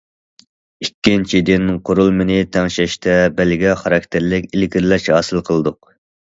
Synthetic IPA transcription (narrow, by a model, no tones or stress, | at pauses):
ikʲːint͡ʃʰid̪ɪnqʰoɾulˠmɪnɪt̪ʰɛŋʃɛʃt̪ʰɛbælɡʲɛχɑɾɑk̚ʲt̪ʰɪɾlɪkʲilɪɡʲiɾlɛʃhɑːsɨlˠqʰəlˠɨd̪ʊq